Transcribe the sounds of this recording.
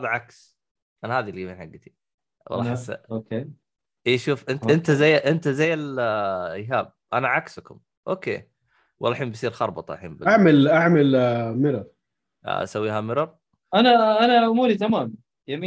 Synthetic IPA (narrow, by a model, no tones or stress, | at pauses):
ɑðˤʕaks | ʔanahaːðilijamiːnħaɡːt̪i̥ | wɑ̰lˤːɑħasa̰oke | ʔeːʃuːfʔɪnt̪ʔɪnt̪azajːʔɪnt̪azajːal | ɪjɦaːb̚ʔanaʕakskʊ̰m | ʔoːkeː | wʔɑlːħiːmbisˤiːɾxɑɾˤbɑt̪ˤɑʔaħḭːnbɪʔaʕmalʔaʕmalmɪɾɑɾˤ | ʔa̰sawːiːɦamɪɾɑɾˤ | ʔanaʔanaʔʊmuːɾit̪amaːm | jamiː